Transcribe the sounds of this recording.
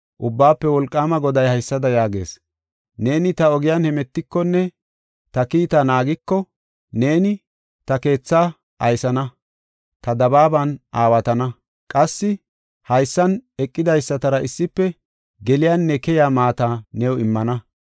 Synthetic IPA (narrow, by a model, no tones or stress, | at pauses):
ʔʊbːaːpːɛwɔlkʼːaːmɐɡɔd̪ɐjhɐjsːɐd̪ɐjaːɡe̞̰ːs | ne̞ːnɪt̪ɐɔɡɪjaːnhɛmɛt̪ːɪkːɔnːɛ | t̪ɐkiːt̪ɐnaːɡɪkːɔ | ne̞ːnɪ | t̪ɐke̞ːt͡sːa | ʔɐjsɐnɐ | t̪ɐd̪ɐbaːbɐnʔaːwɐt̪ɐnɐ | kʼɐsːɪ | hɐjsːɐnɛkʼːɪd̪ɐjsːɐt̪ɐɾɐʔɪsːɪpːɛ | ɡɛlɪjanːɛkɛjaːmaːt̪aːnɛwɪmːɐnɐ